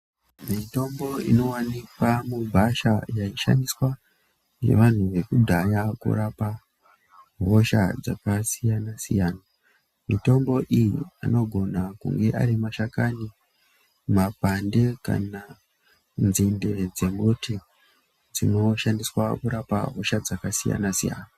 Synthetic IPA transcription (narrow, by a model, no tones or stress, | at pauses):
mito̞mbo̞ḭno̞wanikamubʱaʃajaiʃa̰ndiswa | je̞̰ʋan̤uʋe̞kudʱajakṵɾapa | ɦo̞ʃa̰d͡za̰kasijanasijaːna | mito̞mbo̞ʔijḭa̰no̞ɡʱo̞nakṵŋɡe̞ʔa̰ɾimaʃakani | mapande̞ka̰na | nzinde̞d͡ze̞motʰi | d͡zino̞ʃandiswakuɾapa̰ɦo̞ʃad͡zakasija̰nasija̰ːna